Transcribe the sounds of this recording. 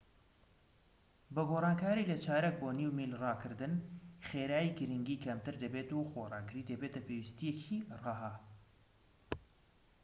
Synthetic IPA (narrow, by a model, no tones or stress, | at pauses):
bɐɡoːrˤɑːnkʰaːɾiːlɐt͡ʃʰaːɾek̚boːniwmiːlrɑːkʰɨɾd̪ɨnχeːɾaːjiɡɨɾɨŋɡiːkʰɐmt̪ɨɾd̪ɐbeːt̪uxoːrˤɑ̰ːɡɨɾiːd̪ɐbeːt̪ɐpeːwist̪ijecʰiːrɑːɦaː